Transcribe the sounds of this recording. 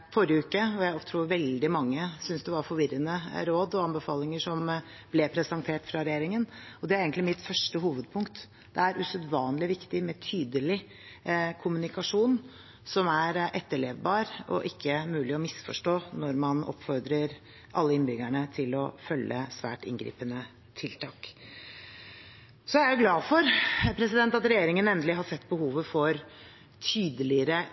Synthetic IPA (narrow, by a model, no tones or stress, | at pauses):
fɔɾjəʉːkəɔjæɪɔt̪ʰɾuːʋɛld̪ɪmɑŋːəsʏnsd̪ɛʋɑɾfɔɾʋɪɾənəɾoːd̪ɔɑnbəfɑːlɪŋəʂɔm | blɛpʰɾɛsɑnt̪ʰeːʈfɾɑɾɛjeːɾɪŋənɔd̪ɛæɾeːɡənt̪lɪmɪt̪fœʂʈəɦuːʋəd̪̚pʰʊŋkt̪ | d̪̥ɛæɾʉsœd̪ʋɑːnlɪʋɪkt̪ɪmɛt̪ʰyːd̪əlɪ | kʰʊmʉnɪkɑʂuːn | sɔmæɾʔɛt̪ːəɭeːʋbɑːɾɔ̰ʔɪkʰːəmʉːlɪɔmɪsfɔʂʈoːnɔɾmɑnɔ̰pfɔɾd̪ɾəɾ | ʔɑ̰lːəɪnbʏɡæɳət̪ʰɪlɔ̰fœlːəsʋæ̰ːʈɪ̰ŋɡɾḭːpənə | t̪ʰɪlt̪ʰɑːk | sɔææɾjʊɡlɑːfɔɾpʰɾɛsɪd̪ɛnt̪ɑt̪ɾɛjeːɾɪŋənɛnd̪əlɪɦɑsɛt̪ːbəhuːʋəfɔɾ | t̪ʰyːd̪əlɪəɾə